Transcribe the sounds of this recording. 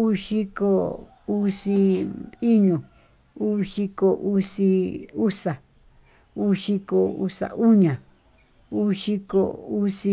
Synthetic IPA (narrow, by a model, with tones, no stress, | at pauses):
u˦ʃi˦ko˧ | u˦si˧i˦ɲũ˨ | u˦ʂi˧ko˧ʔu˧si˧u˦sa˨ | u˦ʃi˧ko˧ṵ˧sa̰˨ʔu˦ɲã˨ | u˦ʃi˧ko̰˧u˦si˧